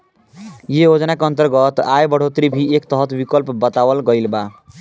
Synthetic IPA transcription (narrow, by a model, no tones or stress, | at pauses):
jejod͡ʒnakeʌnt̪əɾɡʌt̪ajbʌɽ̤ot̪ɾibʱiekt̪ʌɦt̪bikʌlpbʌt̪awəlɡʌjlba